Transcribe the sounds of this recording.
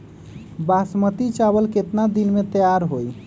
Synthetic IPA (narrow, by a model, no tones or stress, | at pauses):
basmət̪it͡ʃaβəlket̪nad̪inmet̪əjaɾɦoj